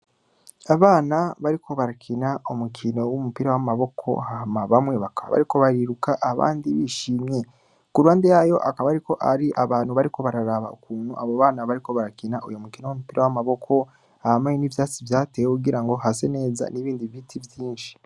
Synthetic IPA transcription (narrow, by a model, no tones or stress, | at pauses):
aβaːnaβaɾikʰo̞βaɾakʰinaomukʰino̞wumupiɾawamaβo̞kʰo̞̰hahamaβamweːβaka̰βa̰ɾiko̞βaɾiɾukaʔaβa̰ːndiβiʃiːmɲe̞ | kuɾuwaːndejajo̞ʔakaβaɾiko̞ʔaɾiʔaβaːn̥huβaɾiko̞βaɾaɾaβa̰okuːn̥huʔaβoβaːnaβaɾiko̞βaɾakinaʔojomukino̞wumupiɾawamaβo̞kʰo̞ | hahamajenivjaːt͡sivjaːteːwekuɡiɾaŋɡo̞ɦase̞ne̞ːza̰niβiːndivitʰivjiːnʃi̥